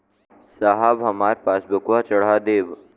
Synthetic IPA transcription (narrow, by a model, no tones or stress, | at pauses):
saɦabɦɐmaːɾepaːsbəkʋaːt͡ʃɐɽ̤aːd̪eːʋ